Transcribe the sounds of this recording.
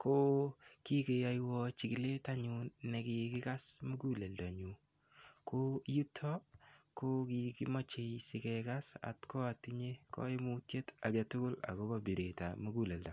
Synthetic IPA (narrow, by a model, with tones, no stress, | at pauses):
ko˦ki˦ke˨ja˦jwɔ˦t͡ʃi˨ki˨le˦ta˦ɲunne˨kɪ˨kɪ˦ka˦smu˦ɡu˦le˨ldɔ˨ɲu˨ | ko˦ju˦tʰɔ˦ko˦ki˨ki˦mɔ˦t͡ʃe˨jsɪ˨kɛkasa̰˨tkɔ˦ati˦ɲe˦kɔ̰˦ɪ˦mu˦tje˦ta˨d͡ʒatʊ˦kʊ˦la̰˨ko˦ba˨bi˨ɾe˨ta̰mu˦ɡu˦lɛ˨lda˨